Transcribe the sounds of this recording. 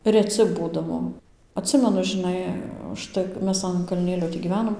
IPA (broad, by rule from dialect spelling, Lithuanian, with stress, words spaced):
rʲɛˈt͡sʲɪ ˈbuːdɐʋoː ɐtʲˈsʲɪmʲɛnʊ ʒʲɪˈnɐɪ ʊʃˈtɐɪ k ˈmʲɛs ɐn kɐlʲˈnʲeːlʲoː tʲiː ɡʲiːˈʋʲæːnoːm